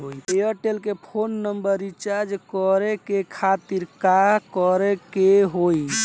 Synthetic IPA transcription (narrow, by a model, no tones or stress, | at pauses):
ɦojeəʈelkepʰonːəmbəɾit͡ʃaɾd͡ʒkɔɾekekʰat̪iɾkakɔɾɛkeɦoj